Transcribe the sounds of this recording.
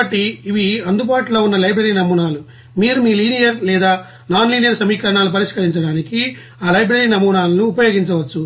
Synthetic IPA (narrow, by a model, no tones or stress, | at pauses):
ɐʈːiiʋiɐnd̪ubaːʈloːunːɐlɐjbɾɐɾiːnɐmuːnaːlu | miːɾumiːliːnijɐɾlɛːd̪aː | naːnliːnijɐɾsɐmiːkɐɾɐɳaːlupɐɾiʂkɐɾiɲt͡ʃɐɽaːniki | aːlɐjbɾɐɾiːnɐmuːnaːlɐnuːpɐjoːɡiɲt͡ʃɐʋɐt͡ʃːu